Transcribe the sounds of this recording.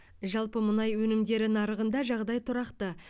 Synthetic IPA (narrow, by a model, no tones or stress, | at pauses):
ʒɑlˠpəmʊnɑjwɵnɪmd̪e̞ɾɪnɑɾəʁənd̪ɑʒɑʁd̪ɑjt̪ʰʊɾɑqt̪ə